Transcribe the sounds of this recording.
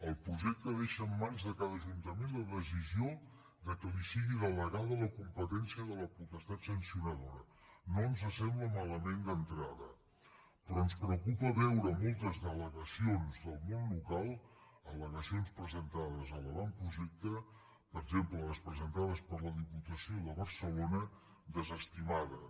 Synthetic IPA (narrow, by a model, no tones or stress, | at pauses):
əlˠpɾuʒɛk̚t̪əðeʃəːmːanzðəkaðəʒunt̪əmenləðəsizio | ðəkəlisiɣiðələɣaðələkumpət̪ɛnsiəðələput̪əst̪at̪sənsiunəðoɾə | nonzəsɛmbləmaləmend̪ənt̪ɾaðə | pɾɔənspɾəkupəβɛwɾəmolˠt̪əzðələɣəsionzðəlˠmonlukalˠələɣəsionspɾəzənt̪aðəzəlˠəβampɾuʒɛk̚t̪ə | pəʒempləəspɾəzənt̪aðəspəɾləðiput̪əsioðəβəɾsəlonə | ðəzəst̪imaðə